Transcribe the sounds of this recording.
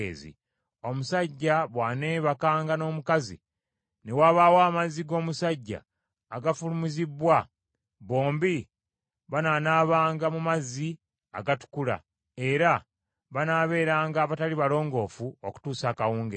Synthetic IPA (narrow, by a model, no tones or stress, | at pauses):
ḛzḭ | o̞musaɟːaβwaːne̞βakaːŋɡano̞ːmukazḭ | ne̞waːβaːwaːmaziɡo̞ːmusaɟːa̰ː | ɡafulumizibwa | βo̞ːmbi | βananaːβaːŋɡamumazi | a̰ɡatu̥kula̰ | e̞ɾa | βanaːβe̞ːɾaːŋɡaːβataliβalo̞ːŋɡo̞ːfuoku̥tuːsaːkawuːŋɡe